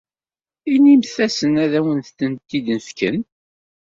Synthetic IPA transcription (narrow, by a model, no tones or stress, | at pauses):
inimθæsənæðæwənθθənt̪ːid̪nəfkə̰n